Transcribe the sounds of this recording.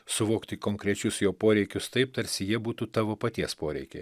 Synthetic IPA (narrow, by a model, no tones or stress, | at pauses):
sʊʋoːkt̪ʲɪkoːŋkɾʲɛt͡ʃʲʊsjoːpoːɾʲɛɪkʲʊst̪ɐɪp̚t̪ɐɾʲsʲɪjiɛbuːt̪uːt̪ɑːʋoːpɐt̪ʲiɛspoːɾʲɛ̰ɪkʲḛ